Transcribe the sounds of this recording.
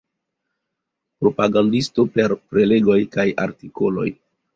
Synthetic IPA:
pɾo̞paɡandisto̞pe̞ɾpɾe̞le̞ɡo̞jkaja̰ɾtiko̞lo̞̰j

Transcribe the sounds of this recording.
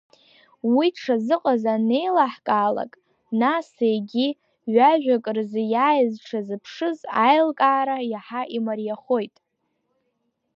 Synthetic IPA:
wiʈ͡ʂʰazɨqʼazane̞jlaħkʼaːla̰kʼ | nasejɡʲi | ɥaʒᶣakʼrzɨjaːjzʈ͡ʂʰazɨpʰʂɨzajlkʼaːɾajaħaʔimarjaχojtʼ

